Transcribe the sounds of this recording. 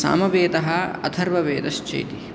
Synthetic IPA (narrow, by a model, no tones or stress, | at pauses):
sa̰ːmɐʋeːd̪ɐɦɐɐ̰d̪ʱʰɐɾʋɐʋeːd̪ɐʃt͡ʃḛjt̪i